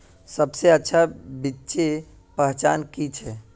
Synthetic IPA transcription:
səbseətːʃʰabitːt͡ʃe | pəɦt͡ʃaːnkit͡ʃʰɛ

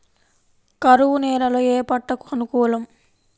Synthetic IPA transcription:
kɐɾuʋunɛːɾɐloeːpɐʈːɐku̥ɐnukɔːlɐm

